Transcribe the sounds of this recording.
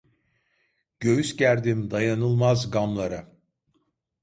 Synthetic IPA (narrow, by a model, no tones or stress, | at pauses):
ɟ̥øjysɟæɾd̪imd̪ajanɯlˠmazɡamlˠaɾa